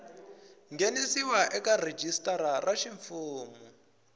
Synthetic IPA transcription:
ŋɡenisiwaʔɛkared͡ʒistʼaɾaraʃiɱfuːmu

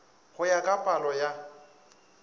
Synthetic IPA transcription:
ɣʊjakʼapʼalɔja

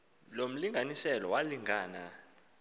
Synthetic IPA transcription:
lom̩liŋɡʱanisɛlɔwaliŋʱaːna̰

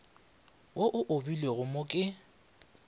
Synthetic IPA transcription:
woʔʊʔʊbilweɣʊmokʼɪ

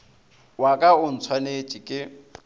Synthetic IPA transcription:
wakʼaʊn̩t͡sʰwanet͡ʃʼikʼɪ

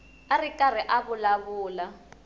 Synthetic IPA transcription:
arikʼar̤iʔaβulaβuːla

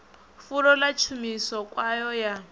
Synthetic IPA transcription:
fuɾɔlat͡ʃʰumisɔkʼwajɔja

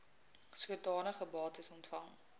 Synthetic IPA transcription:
sətdɑːnəχəbɑːtəsɔntfɐŋ

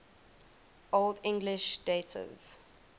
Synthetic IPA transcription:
ʔoldɪ̃ŋɡlɪʃdetʰɪ̰v̥

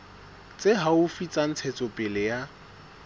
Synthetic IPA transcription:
t͡sʼeɦaʊfit͡sʼan̩t͡sʰɛt͡sʼɔpʼɪlɪja

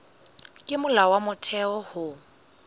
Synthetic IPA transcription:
kʼɪmʊlawamʊtʰɛɔhʊ

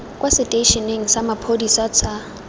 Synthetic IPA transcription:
kʼwasɪtʼeʃɔneŋ̩samapʰodisɔt͡sʰʼa

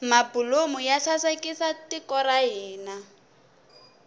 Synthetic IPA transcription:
mabulomʊjaɬasakisatɪkɔɾaɦɛːna

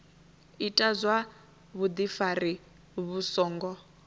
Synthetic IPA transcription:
itʼazwa | βud̪ifari | βusɔːŋɡɔ

